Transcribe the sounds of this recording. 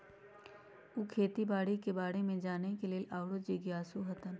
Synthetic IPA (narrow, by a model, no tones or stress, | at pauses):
ukʰeːt̪ibaːɽikebaːɽemẽd͡ʒaːnekelielʔaːʋɽod͡ʒiɡjaːsuɦət̪ən